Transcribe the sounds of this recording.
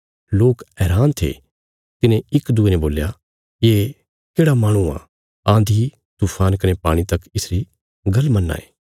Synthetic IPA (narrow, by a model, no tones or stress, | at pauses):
loːkɛːɾaːnt̪ʰḛ | t̪ɪnẽɪkd̪ʊenɛ̃boːlja | jeː | keːɽamaːɽ̃ũa̰ | ãːnd̪ʱi | t̪uːpʰaːnkɐnepaːɽ̃it̪ɐkɪsɾi | ɡɐlmɐnːa̰ːeː